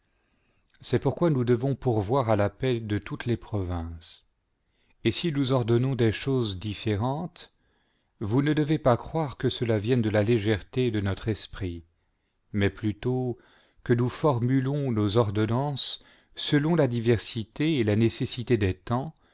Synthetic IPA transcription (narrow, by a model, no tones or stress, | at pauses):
sɛpuʁkwanud̪əvɔ̃puʁvwaʁalapɛld̪ət̪ut̪lepχɔvɛ̃s | esinuzɔʁd̪ɔnɔ̃d̪ɛʃozd̪ifeʁɑ̃t̪ | vunəd̪əvepakχwaʁkəsəlavjɛnd̪əlaleʒɛʁt̪ed̪ənɔt̪χɛspχi | mɛplyt̪o | kənufɔʁmylɔ̃nozɔʁd̪ɔnɑ̃sː | əlɔ̃lad̪ivɛʁsit̪eːlanesesit̪ed̪ɛt̪ɑ̃